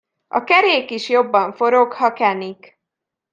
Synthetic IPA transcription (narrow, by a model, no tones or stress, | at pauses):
ɒ̰kɛɾeːkiʃjo̞bːɒɱfo̞ɾo̞khɒkɛnik